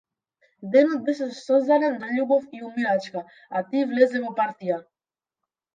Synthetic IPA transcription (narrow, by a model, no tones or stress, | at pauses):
d̪ɛnɔt̪̚bɛʃ̬ɛsɔzd̪aɾɛnzaʎubɔfiumiɾat͡ʃka | at̪ivlɛzɛvɔpaɾt̪ija